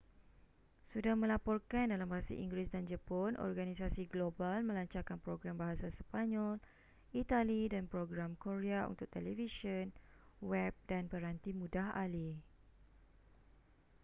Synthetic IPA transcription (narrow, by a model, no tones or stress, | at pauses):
sudahmə̃lapɔrkandalambaɦasa̰ʔḭŋɡɾɪsdand͡ʒapɔnʔɔ̰rɡanisasiɡlobalmə̃laɲt͡ʃakanpɾoɡɾambaɦasasə̥paɲɔl | it̪alidanpɾoɡɾamkoɾeaṵnt̪ʊk̚t̪ɛlɛfisənwɛb̚danpəɾant̪imũdahali